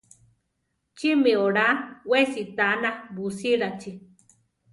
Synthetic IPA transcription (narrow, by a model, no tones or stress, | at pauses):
t͡ʃimeoɾawesit̪anabusiɺat͡ʃi